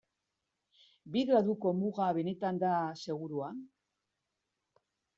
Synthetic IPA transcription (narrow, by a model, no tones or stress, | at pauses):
biðɾaðuko̞muɣaβe̞ne̞t̪and̪ase̞ɣ̞uɾua